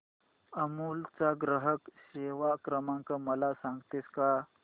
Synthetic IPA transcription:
əmult͡saɡɾəɦəkɕeʋakɾəmãŋkəməlasãŋɡt̪eska

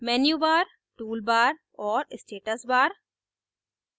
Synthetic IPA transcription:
mɛːnjubaːɾ | ʈuːlbaːɾ | ɔːɾɪsʈeːʈəsbaːɾ

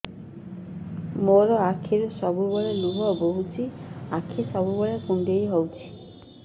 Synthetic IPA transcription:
moɾɔakʰiɾesɔbubɔɭeluɦɔboɦut͡ʃʰiakʰisɔbubɔɭekuɳɖejɦɔwt͡ʃʰi̥

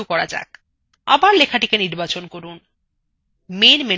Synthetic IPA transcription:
ukɔɾad͡ʑa̰k | a̰baɾlekʰaʈikeniɾbat͡ɕonkoɾun | menme

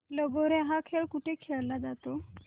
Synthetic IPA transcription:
ləɡoɾẽɦakʰeɭkuʈʰekʰeɭlad͡zat̪o

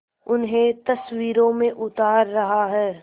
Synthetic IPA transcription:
ʊnɦẽt̪ɐswiːɾõmẽʔʊt̪aːɾːɐɦaɦɛː

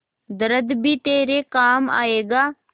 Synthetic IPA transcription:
d̪əɾəd̪bʱit̪eːɾekaːma̰ːeːɡaː

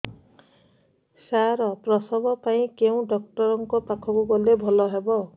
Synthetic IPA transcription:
saɾɔpɾɔsɔbɔpaĩkeũɖɔk̚ʈɔɾɔŋkɔpakʰɔkuɡɔlebʱɔlɔɦebɔ

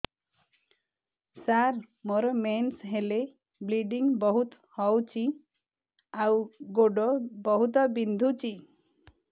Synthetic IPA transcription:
saɾ | moɾɔmensɦele | bliɖiŋbɔɦut̪ | hɔwt͡ʃi | awɡoɖɔbɔɦut̪ɔbind̪ʱut͡ʃi

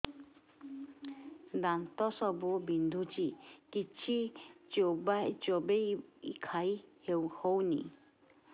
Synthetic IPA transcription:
d̪ant̪ɔsɔbubind̪ʱut͡ʃikit͡ʃʰid͡ʒobajd͡ʒobeḭkʰajhewhownḭ

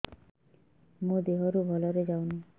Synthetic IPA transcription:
mũd̪eɦɔɾubʱɔlɔɾed͡ʒawni

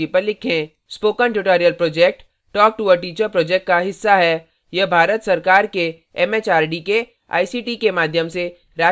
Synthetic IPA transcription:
ipəɾlːɪkʰẽ | spoːkənʈʊʈoːɾijəlpɾoːd͡ʒeːk̚ʈː | ɔːk̚ʈuʋəɾʈiːt͡ʃəɾpɾoːd͡ʒɛk̚ʈ̚kaɦɪsːaɦɛ | jɐbʱaːɾət̪sɐɾkaːɾke | ɛmeːt͡ʃaːɾɖike | a̰ːisiːʈiːkemaːd̪ʱjəmse | ɾaː

